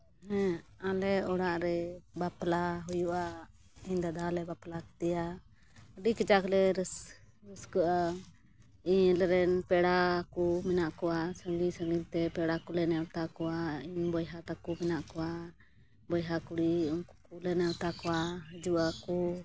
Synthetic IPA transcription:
ɦɛ̃alɛɔɽaʔɾɛbaplaɦujuʔa | iɲd̪ad̪alɛbaplakt̪ɛja | ɖikit͡ʃaklɛɾs | ɾəskəʔa | iɲlɛɾɛnpɛɽakumɛnaʔkɔwasəŋɡisəŋɡilt̪ɛpɛɽakulɛnɛwt̪akɔwaiɲbɔjɦat̪akumɛnaʔkɔwa | bɔjɦakuɽiɔŋkukulɛnɛwt̪akɔwaɦd͡ʒuʔaku

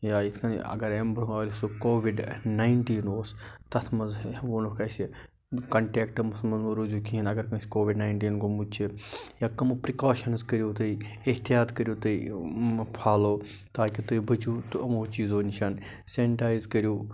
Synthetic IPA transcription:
jaːit̪ʰkɐnɐ̰ɡɐɾembɾaːlisokoːʋiɖnaːiɳʈiːnoːst̪ɐt̪ʰmɐzʋoːnukɐsi | kɐɳʈeːkʈmʊsɐlmɐnuɾuzukiinɐɡɐɾkɐnsʲkoːʋiɖnaːiɳʈiːnɡumut͡ʃʰijaːkɐmupɾikaːʃɐnskɐɾjoːt̪ɐi | ɪɦt̪ijaːt̪kəɾjoːt̪ɐi | pʰaːloːt̪aːkit̪uibʱɐt͡ʃuːt̪uʔɐmoːt͡ʃiːzoːnʃʰɐn | seːɳʈaːjzkɐɾjoː

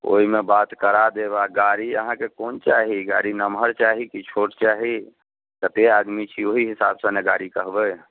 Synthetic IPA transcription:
o̰ɦimebat̪kəɾad̪ebaɡaɾiə̰ɦãkekont͡ʃaɦiɡa̰ɾinəmɦəɾt͡ʃaɦikit͡ʃʰoʈt͡ʃaɦi | t̪ət̪ead̪mit͡ʃʰioɦiɦisabsə̃neɡaɾikəɦbɛ

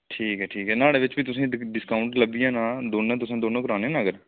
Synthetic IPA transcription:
ʈʰiːkɦɛːʈʰiːkɦɛːnaːɽeːʋɪt͡ʃʋiːt̪ʊsẽːɖɪskaːʊɳʈləbijãːnãːd̪oːnãːt̪ʊsẽːd̪oːnãːkʊɾaːneãːnːɡəɾ

